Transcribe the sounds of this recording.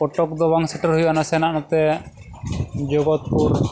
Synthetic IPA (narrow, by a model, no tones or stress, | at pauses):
ɔʈɔkd̪ɔbaŋsɛʈɔɾɦujɔʔanasɛnaʔnɔt̪ɛ | d͡ʒɔɡɔt̪̚puɾ